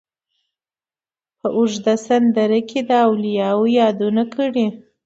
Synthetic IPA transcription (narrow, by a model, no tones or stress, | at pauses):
pəʔʊʒd̪asand̪aɾəkʰed̪əawlijɑwojɑd̪unakʰəɽi